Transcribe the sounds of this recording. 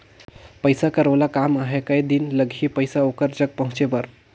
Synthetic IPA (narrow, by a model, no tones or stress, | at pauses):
pəjsakəɾʋlakamaɦekaid̪inləɡʱiːpəjsaokəɾd͡ʒək̚pəɦũt͡ʃebəɾ